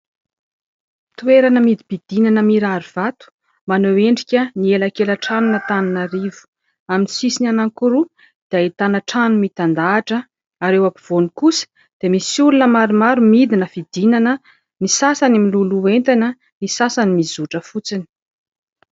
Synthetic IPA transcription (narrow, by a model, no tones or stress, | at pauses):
t̪ueɾanəmid̪ibid̪inanəmiɾaɾiv̥at̪u̥ | manoweɳɖ͡ʐikʲənielakeləʈ͡ʂanunət̪aninaɾivu̥ | aminisisinanaŋkuɾu | d̪̥ait̪anəʈ͡ʂanumit̪and̪aːʈ͡ʂə | aɾewapiv̥onikusə̥ | d̪̥emisulunəmaɾimaɾumid̪inəfid̪inanə | nisasanimiluluent̪anə | nisasanimizuʈ͡ʂəfut͡sini̥